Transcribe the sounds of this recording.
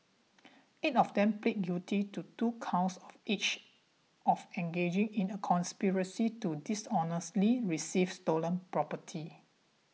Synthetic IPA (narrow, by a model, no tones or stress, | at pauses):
itɔfdɛ̃mplet̚ɡutʰitutukʰãʊsɔfit͡ʃ | ʔɔfɛ̃ŋɡed͡ʒɪ̃ŋĩnəkʰɔ̃nspiɹəsitudisɔnəstliɹisifstolə̃npɹɔpətʰi